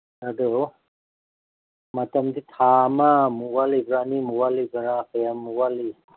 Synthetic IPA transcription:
adu | matəmditʰamamuwalibɾanimuwalibaɾapeamːuwali

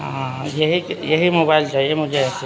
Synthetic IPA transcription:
ãjəɦikjəɦimobaild͡ʒaiemʊd͡ʒʱeɛse

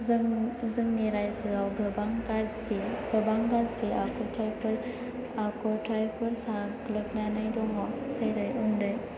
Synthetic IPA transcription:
ŋzɯŋniɾajsɯawɡɯbaŋɡasiɡ̥ɯbaŋɡaseakʰɔtʰɾajpʰɯɾ | akʰɔtɾajpʰɯɾsaɡlɯk̚nanajdɔŋɔsajɾajundɯj

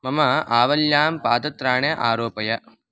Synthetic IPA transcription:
mɐmɐʔaːʋɐljaːmpaːd̪ɐt̪ɾaːɳeʔaːɾoːpɐjɐ

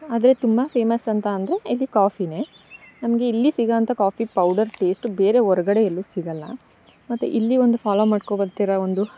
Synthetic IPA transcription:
aːd̪ɐɾe̞t̪umbɐpʰe̞ːmɐsɐnt̪ɐːnd̪ɐɾe̞ɐlːikaːpʰine̞ | nɐmɡe̞ilːisiɡaːnt̪ɐkaːpipɐwɖɐɾʈe̞ːsʈbe̞ːɾe̞ɔɾɐɡɐɽejɐlːusiɡɐlːɐ̰ | mɐt̪ːṵʔilːio̞nd̪ufʰaːloːmaːɖkobɐɾt̪iːɾɐond̪u

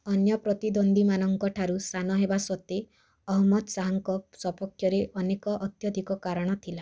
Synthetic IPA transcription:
ɔnjɔpɾɔt̪id̪ond̪imanɔŋkɔʈʰaɾusanɔɦebasɔt̪e | ɔɦmɔd̪saɦɔŋkɔsɔpɔkʰjɔɾeʔɔnekɔʔɔt̪jɔd̪ʱikɔkaɾɔɽ̃ɔt̪ʰila

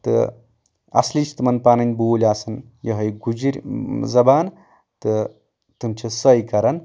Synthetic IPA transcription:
t̪ɨ̰ | ɐ̰slit͡ʃʰt̪ɨmɐnpaːnɐnʲboːlʲaːsɐnjɐɦɐjɡud͡ʒiɾʲzɐbaːn | t̪ɨ | t̪ɨmt͡ʃʰisɐjkɐɾɐn

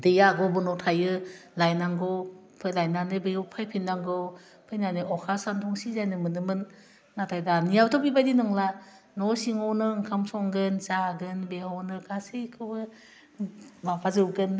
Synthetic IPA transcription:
dɯjaɡɔbɯnɔtʰajɯlajnaŋɡowpʰɯlajnanɯbejɯwpʰajpʰinːaŋɡɯw | pʰɯjnanɯʔɔkʰasantʰɔŋsizajnɯmɯnɯmɯn | ŋatʰajdanijawtʰɔpibajdinɯŋla | nɔsiŋɔnɯŋkʰamsɔŋɡɯnsaɡɯnbehɔnɯkasekʰɯbɯ | mapʰazɯwɡɯn

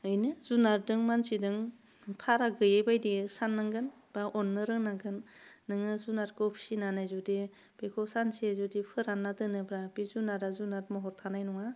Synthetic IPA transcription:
ɯjnɯzunaɾdɯŋmansidɯŋ | pʰaɾaɡɯjebajdisanːaŋɡɯn | b̥aʔɔnːɯɾɯŋnaɡɯnːɯŋɯzunaɾkopʰsinanajzudi | b̥ekʰɔsansiazudipʰɯɾanːatɯnɯbɾabizunaɾazunaɾmɔɦɔɾtʰanajnɔŋa

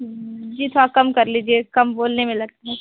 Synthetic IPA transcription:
d͡ʒiːt̪ʰoɾakɐmkɐɾliːd͡ʒiekɐmboːlnemẽlɐɡ̚t̪aɦɛ̃

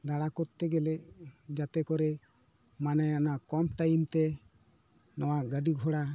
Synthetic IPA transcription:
d̪aɽakɔt̪ːɛɡɛlɛd͡ʒat̪ɛkɔɾɛ | manajanakɔmʈajimt̪ɛ | nɔwaɡəɖiɡʱɔɽa

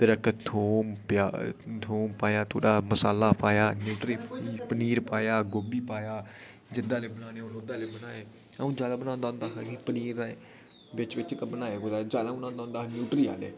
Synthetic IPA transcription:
t̪əɾəkt̪ʰoːmpat̪ʰoːmpaːjaːt̪ʰo̰ːɽaːməsaːlaːpaːjaːnjuːʈɾiːpiːpəniːɾpaːjaːɡoːbiːpaːjaː | d͡ʒɪd̪aːleːbənãːneːõnod̪aːleːbənaːeː | aũːd͡ʒaːlaːbənãːʊnd̪aːʊ̃ːnd̪aːɦakipəniːɾa | ʋɪt͡ʃʋɪt͡ʃt̪abənaːeːɡoːd̪aːd͡ʒaːd̪aːbənãːnd̪ãːnd̪aːnjuːʈɾiːa̰ːlḛː

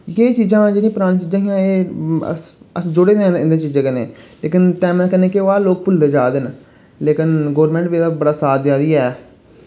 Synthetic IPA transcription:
jeːt͡ʃiːd͡ʒãːd͡ʒɪnĩːpɾaːnt͡ʃiːd͡ʒãːɦɪjãːeːə̰əsd͡ʒʊɽeːd̪ẽɪnd̪ẽːt͡ʃiːd͡ʒãːkənḛːleːkɪnʈɛːmakəneːkeoaːloːk̚pʊld̪eːd͡ʒaːd̪ɪn | leːkɪnɡoːɾmɛ̃ːɳʈʋiːd̪aːbəɽaːsaːd̪d͡ʒaːd̪iːɛː

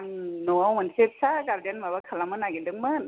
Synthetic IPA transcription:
ŋnomɔnsep̚saɡaɾdanmabakʰalamɯnaɡedɯŋmɯ

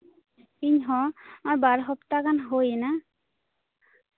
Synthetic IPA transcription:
kiɲɦɔmajbaɾɦɔpt̪akanɦojena

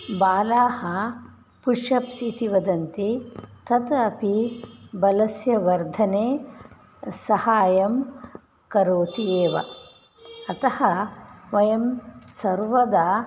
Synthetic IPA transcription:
baːlaːhɐ | puʂɐpsit̪iʋɐd̪ɐnt̪it̪ɐt̪ɐpibɐlɐsjɐʋɐɾd̪ʱɐneː | sɐhaːjɐm | kɐɾoːt̪ieːʋɐ̰ː | t̪ɐhɐʋɐjɐmsɐɾʋɐd̪aː

